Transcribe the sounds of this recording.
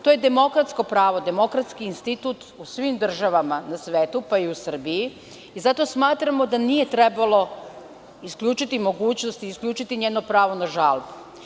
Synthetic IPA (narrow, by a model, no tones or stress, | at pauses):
t̪oːje̞d̪e̞mo̞kɾat̪sko̞pɾaːʋo̞d̪e̞mo̞kɾat̪skiːnst̪it̪uːt̪usʋimd̪r̩ʒaʋamanasʋeːt̪upaiusr̩biji | izat̪o̞ːsmaːt̪ɾamo̞d̪anije̞t̪ɾe̞balˠo̞ | iskʎʲut͡ʃit̪imo̞ɡuːt͡ɕnost̪iiskʎʲuːt͡ʃit̪iɲeːno̞pɾaːʋo̞naʒalˠbu